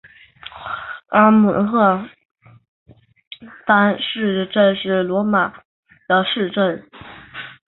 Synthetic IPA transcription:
a˥mu˨˩xɤ˥˩ | t̪a˥nʂɻ̩˥˧ʈ͡ʂə˥˧nʂɻ̩˥˩lwɔ˧˥ma˨˩ | d̪̥ə˧ʂɻ̩˥˧ʈ͡ʂə˥˩n

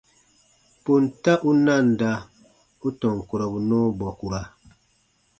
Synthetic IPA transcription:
po˨nta˦ʔu˦na˦˨n˨da˦ | u˦tɔ˨ŋku˨ɾɔ˨bu˨nɔː˦bɔ˨ku˨ɾa˨

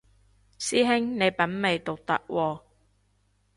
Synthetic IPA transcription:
siː˥ɦɪ˥ŋne˨˧jpɐ˨˥nme˨jt̪o˨k̚t̪ɐ̰˦˥k̚wʔɔː˧

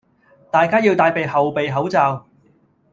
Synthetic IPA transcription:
t̪aː˨jkaː˥jiː˧wt̪aː˧jpe˨jhɐ˨wpe˨jɦɐ˨˥wt͡saː˨˧w

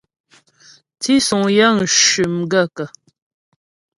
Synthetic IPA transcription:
ti˦su˨ŋja˦n̩˨ʃʉ˨mɡə˦˨kə˨

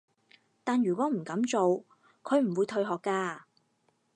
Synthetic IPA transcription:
t̪aː˨njyː˨˩kʷɔː˨˥m̩˨˩kɐ˨˥mt͡so˨w | kʰɵ˨˧ɥm̩˨˩wuː˨˧jt̪ʰɵ˧ɥɦɔː˨kːaː˧

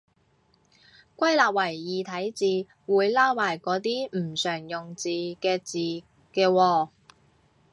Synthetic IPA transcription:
kʷɐ˥jlaː˨p̚wɐ˨˩jːiː˨t̪ʰɐ˨˥jt͡siː˨˧ | wuː˨˧jlaː˥wwaː˨˩jkɔː˨˥t̪̬iː˥m̩˨˩sœː˨˩ŋjʊ˨ŋt͡siː˨kɛː˧t͡siː˨ | kɛː˧wɔː˧

